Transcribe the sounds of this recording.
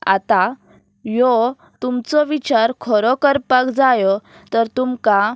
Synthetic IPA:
a̰t̪a | jɔ | t̪umt͡sɔʋit͡ɕaɾkʰɔɾɔkəɾpakd͡zajɔ | t̪əɾt̪umka

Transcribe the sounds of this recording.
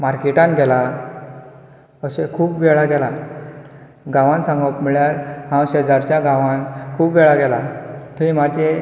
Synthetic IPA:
maɾkeʈãnɡɛla | əɕekʰuːpʋɛɭaɡɛla | ɡãʋãnsãŋɡɔpmiɭjaɾɦãwɕed͡zaɾt͡ɕjãɡãʋãnkʰuːpʋɛɭaɡɛlat̪uĩmad͡ʑe

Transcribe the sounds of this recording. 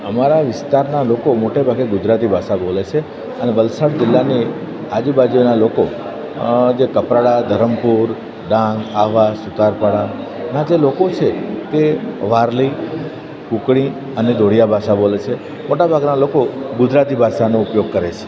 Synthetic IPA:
əmaɾaʋɪst̪aɾnalokomoʈebʱaɡeɡʊd͡ʒɾat̪ibʱaʃabolet͡ʃʰe | əneʋəlsaɽd͡ʒɪlːane | ad͡ʒibad͡ʒionaloko | d͡ʒekəpɾaɽad̪ʱəɾəmpuɾ | ɖãŋɡaʋasut̪aɾpaɽa | nad͡ʒelokot͡ʃʰet̪eʋaɾli | kukɽ̃i | əned̪ʱoɽ̤ijabʱaʃabolet͡ʃʰe | moʈabʱaɡnalokoɡʊd͡ʒɾat̪ibʱaʃanoupjoɡ̚kəɾet͡ʃʰe̥

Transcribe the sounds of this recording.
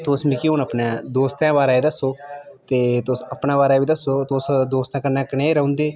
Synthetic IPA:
t̪osmĩːkiʊnəpnãːd̪oːst̪ãːbaːɾaːed̪əsːoːt̪eːt̪osəpnãːbaːɾaːʋiːd̪əsoːt̪osd̪oːst̪ãːkəɾnãːkəneːɾəõːnd̪eː

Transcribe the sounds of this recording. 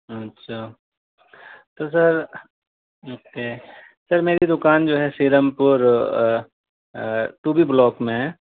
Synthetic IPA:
ɐtːʃʰaː | t̪os̬ɐɾ | oːkeː | sɐɾmeːɾid̪ʊkaːnd͡ʒoːɦɛsiːɾəmpʊɾ | ʈuːbʱiblɔːkmẽ

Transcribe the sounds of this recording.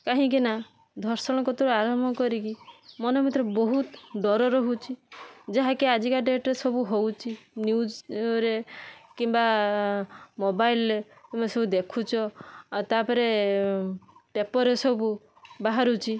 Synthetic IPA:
kaɦĩk̬ina | d̪ʱɔɾsɔɽ̃ɔkɔt̪ɔɾuaɾɔmɔɔkɔɾikimɔnɔmit̪ɾɔbɔɦut̪ɖɔɾɔɾɔɦut͡ʃʰid͡ʒaɦakead͡ʒikaɖeʈɾesɔbuɦowt͡ʃʰinjud͡ʒɾekimba | mobajilɾe | t̪umesɔbud̪ekʰut͡ʃʰɔt̪apɔɾe | ʈepɔɾesɔbu | baɦaɾut͡ʃʰi

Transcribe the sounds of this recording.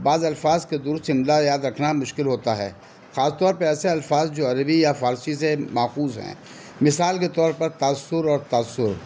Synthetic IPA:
baːzɐlfaːzked̪ʊɾʊst̪ɦɪmlajaːd̪ɾɐkʰnamʊʃkɪlɦoːt̪aɦɛ̰ː | xaːst̪ɔːɾpɐɾɛːseɐlfaːzd͡ʒoːɐɾəbijafaːɾsisemaːxuːzɦɛ̰̃ː | mɪsaːlket̪ɔːɾpɐɾt̪aːsːʊɾɔːɾt̪aːsːʊɾ

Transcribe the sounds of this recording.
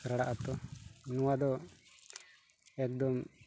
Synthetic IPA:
kɾaɽa̰ʔat̪ɔnuwad̪ɔ | ɛkd̪ɔm

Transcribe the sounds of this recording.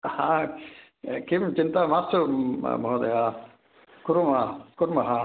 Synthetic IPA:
hã | kimt͡ʃint̪amast̪ubʱod̪ɐja | kuɾumakuɾmɐɦã

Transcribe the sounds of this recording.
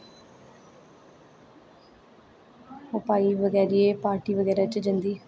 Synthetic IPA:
ɦopaːiːʋəɡɛːɾieːpaːɾʈiːʋəɡɛːɾaːt͡ʃd͡ʒənd̪iː

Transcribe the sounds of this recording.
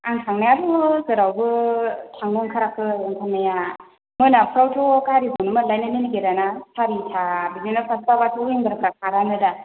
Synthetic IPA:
aŋtʰaŋnajabɯzɯɾawbɯtʰaŋɡɯŋkʰaɾakʰɯaŋtʰaŋnaja | mɯnapʰɾawtʰɔkaɾibonɯmalajnanɯniɡeɾanasʰaɾitʰabizinapʰaspabatʰɯiŋbɯɾakʰɾak̚ʰaɾanɯda

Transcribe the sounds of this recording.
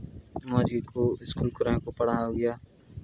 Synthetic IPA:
maːd͡ʒiːd̪kʰoːɪskuːlkʊɾãːkopəɽ̤aːoɡɪjaː

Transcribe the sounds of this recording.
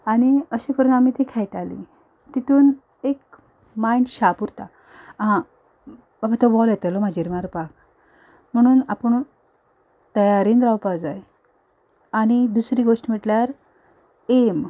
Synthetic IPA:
aɽ̃iəɕikəɾuːnamit̪ikʰɛjʈalḭ | t̪it̪uːn | ek̚ | majɳɖɕapuɾt̪a | ã | bapat̪ɔbɔljɛt̪əlɔm̤ad͡ʑiːɾmaɾpak | m̤əɽ̃uːnapəɳ | t̪əjaɾiːnd̪ɾawpad͡zaj | añid̪usɾiːɡoʂʈm̤iʈljaɾ | em

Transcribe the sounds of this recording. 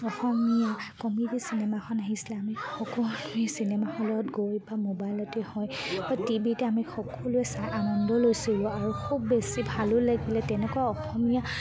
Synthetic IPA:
ɔxɔmijakɔmidisinɛmakʰɔnaɦisilɛamixɔkɔisinɛmahɔlɔtɡojbamobajlɔtɛhɔjb̥atibitɛamixɔkɔlʊɛsajʔanɔndɔlojsilʊ̃aɹukʰubːesibʱalʊlaɡilɛtɛnɛkuaɔxɔmija

